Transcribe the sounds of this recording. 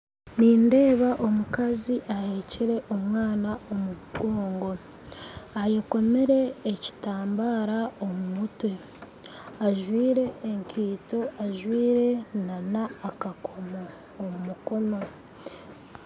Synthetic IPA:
niːnde̞ːβaʔo̞mukaziʔaheːceɾe̞ʔomŋaːnao̞muɡo̞ːŋɡo̞ | ajeko̞me̞ɾe̞ːci̥taːmbaːɾao̞mumutwe̞ | aʒwiːɾe̞ːŋkʰiːto̞aʒwiːɾe̞nanaːkakʰo̞mo | omumuko̞no̞

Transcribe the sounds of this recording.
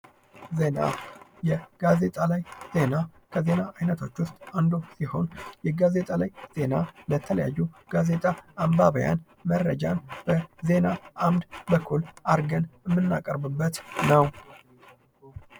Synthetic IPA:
ze̞na̰jɛɡ̥aze̞t̪ʼalajz̥e̞nakʰəze̞naʔːjnət̪ʰo̞t͡ʃːwʊst̪ʼand̪osiho̞̰njɛɡaze̞t̪ʼalajz̥e̞nalət̪ʰələja̰jːuɡ̥aze̞t̪ʼaʔambaβəja̰n | mərːəd͡ʒanb̥əze̞naʔamd̪bəkʰːulaɾɡənɨmːɨnːa̰kʼəɾbɨbːət̪nəw

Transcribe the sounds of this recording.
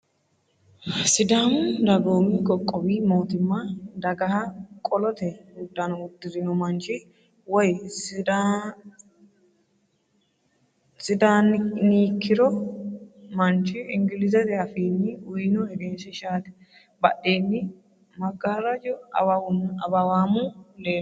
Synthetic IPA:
sɪd̪aːnd̪ɐɡoːmɪkʼɔkʼːɔbiːmo̞ːt̪ɪmːɐd̪ɐɡɐɦɐkʼɔlɔt̪ɛʊd̪ːanɐʊd̪ːɪɾɪnɔmɐnt͡ʃɪ | wɔjsda | sɪd̪aːnniːkʰːɪɾɔ | mɐnt͡ʃɪɪŋɡɪlɪzɐt̪ɛɐfiːnːɪʊjnɔɛɾeːnsɛʃaːt̪ɛ̥ | bɐɗeːnːɪ | mɐɡaːɾɐd͡ʒɔ | ɐbɐwaːmʊleː

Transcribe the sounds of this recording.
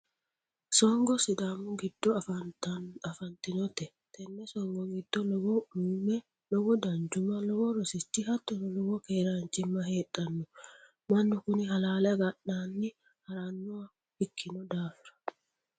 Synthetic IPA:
sɔŋɡɔsɪd̪aːmʊɡɪd̪̥ːɔ | ɐfɐnt̪ɪnɔt̪ɛ | t̪ɛnːɛsɔŋɡɔɡɪd̪̥ːɔlɔɡɔumɛ | lɔɡɔd̪ɐnd͡ʒʊmɐlɔɡɔɾɔsɪt̪ːihɐt̪ːɔnɔlɔɡɔkeːɾaːnt͡ʃɪmːɐheːᶑɐnːʊ | mɐnːɔkʊnɪɦɐlaːlɐɡɐɗːaːnːɪ | hɐɾaːnːɔa | hɪkʰːɪnɔd̪aːfɪɾɐ̥

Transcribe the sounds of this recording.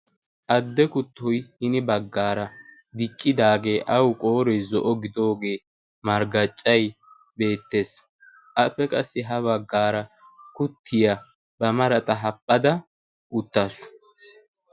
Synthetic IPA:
ʔɐd̪ːɛkʊt̪ːɔjhɪnɪbɐɡːaːɾɐ | d̪ɪt͡ʃʼːɪd̪aːɡe̞ːʔɐwkʼo̞ːɾɔjzɔʔɔɡɪd̪o̞ːɡe̞ː | mɐɾɡɐt͡ʃʼːɐj | be̞ːt̪ːe̞ːs | ʔɐpːɛkʼɐsːɪɦɐβɐɡːaːɾɐ | kʊt̪ʰːɪjɐ | bɐmɐɾɐt̪ʼɐɦɐpʼːɐd̪ɐ | ʊt̪ːɐsʊ̥

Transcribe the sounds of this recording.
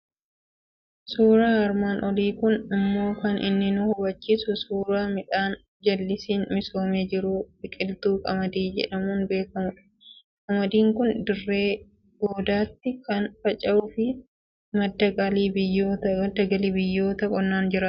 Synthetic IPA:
suːɾaːɐɾmaːnʔɔliːkʊnɪmːo̞ːkɐnʔɪ̰nːɪnʊhʊbɐt͡ʃːiːsʊsuːɾaːmɪᶑaːn | d͡ʒɐlːɪsiːnmɪso̞ːmeːd͡ʒɪɾuːbɪkʼɪlt̪uːkʼɐmɐd̪iːd͡ʒɛ̰ᶑɐmuːnbe̞ːkɐmʊᶑɐ̥ | kʼɐmɐd̪iːŋkʊnd̪ɪrːeː | ɡoːd̪aːt̪ːɪkɐnfɐt͡ʃʼɐʔʊfɪ | mɐd̪ːɐɡaliːbɪjːoːt̪ɐɐd̪ɐɡɐliːbɪjːo̞ːt̪ɐkʼɔnːaːnd͡ʒɪɾɐ

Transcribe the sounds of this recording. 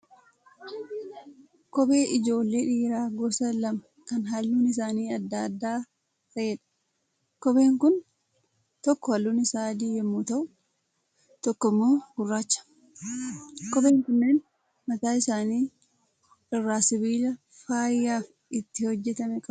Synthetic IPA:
kɔbe̞ːʔɪd͡ʒo̞ːlːe̞ːᶑiːɾaːɡɔsɐlɐmɐ | kɐnɦɐlːuːnɪs̬aːniːɐd̪ːaɐd̪ːaː | t̪ɐʔeːᶑɐ̥ | kɔbe̞ːŋkʊn | t̪ɔkːɔhɐlːuːnɪsaːd̪ijːɛmːuːt̪ɐʔʊ | t̪ɔkːɔmːoːɡʊrːaːt͡ʃːɐ̥ | kɔbe̞ːŋkʊnːeːn | mɐt̪aːɪsaːniː | ᶑɔrːaːsɪbiːlɐ | faːjːaːf | ɪt̪ːɪhɔd͡ʒːɛt̪ɐmɛkʼɐ

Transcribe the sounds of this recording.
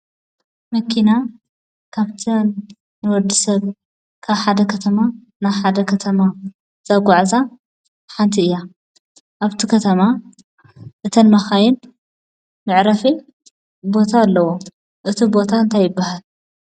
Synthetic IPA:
mɐkʰina | kʰaβt̪ʰɐnː | ɨwɔd̪isɐβ | kʰaβħad̪ɐkʰɐt̪ʰɐma | naβħad̪ɐkʰɐt̪ʰɐma | z̥ɐɡʷaʕza | ħant̪ʰiɨjːa | ʔaβt̪ʰikʰɐt̪ʰɐma | ʔɨt̪ʰɐnmɐxajɪn | mɨʕɾɐfi | bo̞t̪ʰalːɐwo | ʔɨt̪ʰibo̞t̪ʰaɨnt̪ʰajːɪbːahal

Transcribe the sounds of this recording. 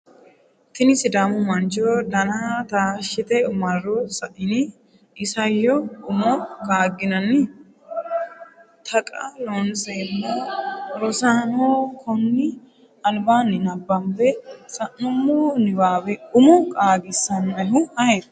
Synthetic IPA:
t̪ɪnɪsɪd̪aːmʊmɐnd͡ʒoːd̪ɐnat̪aːʃɪt̪ɛʊmɐrːɔsɐʔɪnɪ | ɪsɐjːɔʊmɔkʼaːɡɪnɐnːɪ | t̪ʰɐkʼɐloːnseːnːɐɾɔsaːnoːkʰɔnːɪ | ɐlbaːnːɪnɐbːɐmbɛsɐʔːʊmːɔːnɪbaːwɛʊmɔkʼaːɡɪsːɐnɐnʊhɐɛd̪

